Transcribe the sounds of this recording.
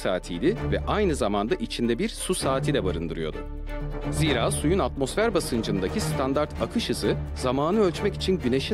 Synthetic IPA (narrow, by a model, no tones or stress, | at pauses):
sa̰ːt̪ʰijd̪ʲɪvɛʔajnɯzamand̪aʔit͡ʃʰind̪ɛbiɾsusaːt̪ʰid̪ɛbaɾɯnd̪ɯɾɯjo̞̰d̪ṵ | ziːɾaːsujunat̪mo̞sfæɾbasɯnd͡ʒɯnd̪acist̪ʰand̪aɾt̪ʰakʰɯʃɯzɯzamaːnɯø̞lʲt͡ʃmɛci̥t͡ʃʰinɟyne̞ʃi